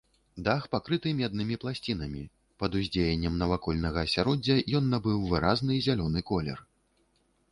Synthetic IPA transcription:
d̪axpakɾɨt̪ɨmʲɛd̪̚nɨmʲiplˠasʲt͡sʲin̪ɐmʲi | pɐd̪uzʲd͡zʲejɛnʲːɛmnɐvakɔlʲnɐɣɐːsʲaɾɔd͡zʲːɐjɔnːɐbɨwvɨɾaznɨzʲalʲɔnɨkɔlʲɛ̰r

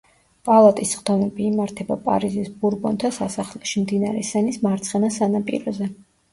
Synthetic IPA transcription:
pʼalˠat̪ʼisχd̪̥ɔmɛbiːmaɾt̪ʰɛbapʼa̰ɾizisbuɾbɔnt̪ʰasasaχlɛʃimd̪inaɾɛsɛnismaɾt̪sʰʼχɛnasanapʼḭɾɔzɛ

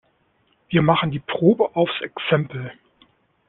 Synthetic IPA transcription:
viːɐmaχn̩diːpʁ̥oːbəʔaʊfsɛksɛmpl̩

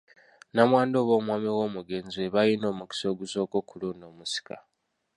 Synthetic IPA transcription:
namwaːndo̞ːβo̞ːmwaːmiwo̞ːmuɡe̞nzieβajino̞ːmuki̥so̞ːɡuso̞ːko̞ːkuluːndo̞ːmusi̥ka̰

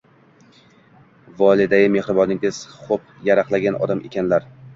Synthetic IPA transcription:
vɒlˠɪd̪aɡʲɪmehɾɪbɒnɪŋʲɪz̥χop | jaɾaqlaɡʲanʔɒ̰d̪amʔḛkʲʰanlaɾ

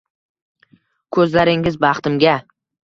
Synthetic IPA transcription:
kʰɵzlaɾɪŋɪzbɑχt̪ɪmɡʲa

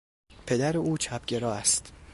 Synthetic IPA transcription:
pʰe̞d̪æɾeuːt͡ʃʰæbɟe̞ɾɒːæst̪

